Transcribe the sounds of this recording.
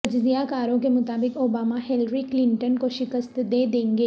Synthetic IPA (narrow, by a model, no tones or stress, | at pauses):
ɐd͡ʒzijakaːɾõkemʊt̪aːbɪkoːbaːmaɦɛlɾiklɪ̃ɳʈənkoʃɪkəst̪d̪eːd̪ẽːŋɡeː